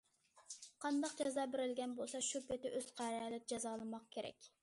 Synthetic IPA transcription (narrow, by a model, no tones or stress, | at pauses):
qʰɑnd̪ɑq̚d͡ʒɑzɑːbeɾɪlɡʲɛnbolˠsɑʃupɪt̪ɪʔøz̥qʰæɾɛlɪk̚d͡ʒɑzɑːlˠɨmɑqkʲʰeɾɛ̰kʲ